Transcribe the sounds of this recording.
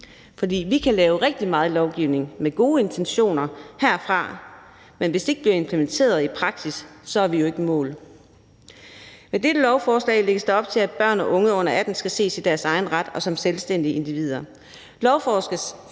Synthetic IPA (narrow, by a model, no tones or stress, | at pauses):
fɒ̽d̥ḭːʋikʰælɛːʊʁeɡ̥̚d̥imɑ̈ːð̞̩ˠlɒʊɡ̥iʊne̝ŋmeɡ̥o̝ːe̝nt͡sʰenɕo̝̰ːnɐhæɐ̰fʁɑ̈ | menʋesd̥e̝eɡ̥əb̥liɐe̝mpʰlement͡sʰe̝̰ːɐð̞ˠipʰʁɑ̈ɡ̥sisːɒ̽æɐʋijoe̝ɡ̥əmɔ̰̽ːl | med̥ed̥əlɒʊfɒːslɛ̰ɪle̝ɡ̥əsd̥æɒ̽b̥̚t͡sʰe̝læd̥̚b̥ɶɐ̰nɒ̽ʔɔ̽ŋəɔ̽n̰ɐæd̥n̩sɡ̥æse̝̰ːsid̥æɐsɑ̈ɪn̩ʁad̥ɒ̽sɒ̽mselsd̥en̰d̥ie̝nd̥iʋið̞̰ˠɐ | lɒʊfɒ̥ː